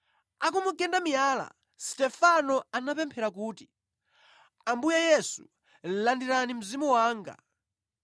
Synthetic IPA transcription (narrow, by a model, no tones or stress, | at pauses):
akumukɛndamijaːla̰ | stɛfanɔanapɛmpʰɛɾak̬uːti̥ | ambujajɛsu̥ | landiɾanim̩zimɔwaːŋɡa̰